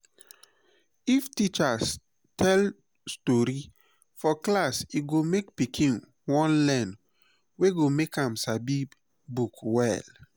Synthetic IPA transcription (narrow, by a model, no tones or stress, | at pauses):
iftit͡ʃas | tʰɛl | stɔɹi | fɔklasiɡomek̚pikʰĩn | wɔ̃nlɛ̃n | weɡomekãmsabi | bukwɛ̰l